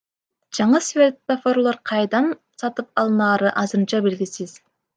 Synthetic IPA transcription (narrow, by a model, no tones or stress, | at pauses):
d͡ʒɑɴɯsvʲert̪ofoɾlˠoɾqʰɑjd̪ɑn | sɑt̪ɯp̚ɑlˠɯnɑːɾɯʔɑzɯɾɯnt͡ʃɑbelɡʲisiz̥